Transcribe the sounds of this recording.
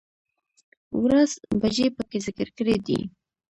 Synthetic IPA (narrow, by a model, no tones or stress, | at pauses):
wɾazbaʒepəkezɪkəɾkəɽed̪ḭ